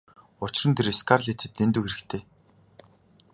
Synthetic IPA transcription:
ʊt͡ɕɪrə̆nt̪ʰeɾeskʰarɮet̪ʰɘ̆t̪nent̪uːxeɾɘ̆kt̪ʰeː

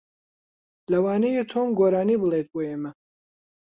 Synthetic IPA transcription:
lɐwɑːnejet̪ʰoːmɡoːɾaːniːbɨlˠet̪̚boːjeːmɐ

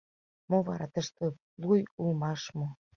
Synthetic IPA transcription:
moβɑɾɑt̪əʃt̪ə | lujulmɑʃmo

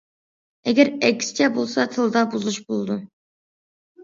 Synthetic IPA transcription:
ɛɡʲɛɾɛkʲʰːsɪ̥t͡ʃʰɛbolˠsɑt̪ʰɨlˠd̪ɑbuzuʃbolˠɨd̪u

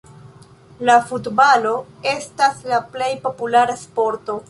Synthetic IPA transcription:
lafutbalo̞e̞staslaple̞jpo̞pulaɾaspo̞ɾto̞

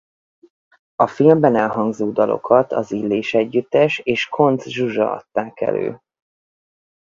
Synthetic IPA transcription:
ɒfilmbɛnɛlɦɒŋɡzoːd̪ɒlo̞̰kʰɒt̪ɒzilːeːʃɛɟːyt̪ːɛʃeːʃkʰo̞nd̪zʒuʒɒ̰ɒ̰t̪ːaːkɛ̰lø̰ː

